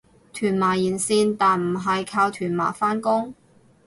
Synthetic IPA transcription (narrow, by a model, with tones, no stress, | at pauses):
t̪ʰyː˨˩nmaː˨˩jiː˨˩nsiː˧nt̪aː˨nm̩˨˩ɦɐ˨jkʰaː˧wt̪ʰyː˨˩nma̰ː˨˩faː˥nkʊ˥ŋ